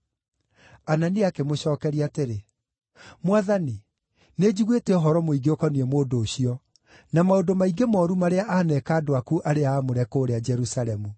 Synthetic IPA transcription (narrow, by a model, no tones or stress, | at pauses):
ananiakemoɕɔːkɛɾiateɾe | mwaðani | ned͡ʑiɣwetɛɔɦɔɾɔmoiɡeokɔniɛmoːdoːɕiɔ | namaodomaiɡemɔːɾumaɾeaʔaːnɛkaːdoakuʔaɾeaːmoɾɛkoːɾead͡ʒɛɾusaɾɛmu